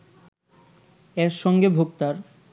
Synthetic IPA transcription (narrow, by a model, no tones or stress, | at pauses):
eɾʃɔŋɡebʱoɡ̚t̪aɾ